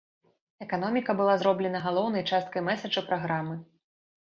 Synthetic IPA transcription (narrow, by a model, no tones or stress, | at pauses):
ɛkan̪ɔmʲikɐbɨlˠazɾɔblʲɛnɐɣalˠɔwn̪ɐjt͡ʂast̪̚kɐjmɛsɐt͡ʂɐpɾaɣɾamɨ